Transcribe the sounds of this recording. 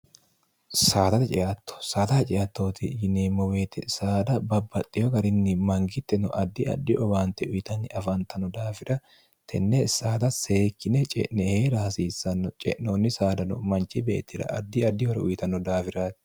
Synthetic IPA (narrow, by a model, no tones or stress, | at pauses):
saːt̪ɐt̪ɛt͡ʃʼɛʔat̪ːɔ̥saːt̪ɐhɐt͡ʃʼɛjɐt̪ːo̞ːt̪ɪjɪneːmːɔwe̞ːt̪ːɛsaːd̪ɐbɐbːɐt̪ʼːɪjɔɡɐɾɪnːɪmɐŋɡɪt̪ːɛnɔʔɐd̪ːɪɐ̰d̪ːɪʔɔbaːnt̪ɛʊjɪt̪ɐnːɪɐfɐnt̪ɐnɔd̪aːfɪɾɐ | t̪ʰɛnːɛsaːt̪ɐseːkːɪnɛt͡ʃʼɛ̰ʔnɛheːɾaːsiːsːɐnːɔt͡ʃʼɛ̰ʔnoːnːɪsaːd̪ɐnɔmɐnt͡ʃɪbḛːt̪ːɪɾɐ̰ʔɐd̪ːɪɐd̪ːɪhɔɾɛʊjɪt̪ɐnːɔd̪aːfɪɾaːt̪ɪ̥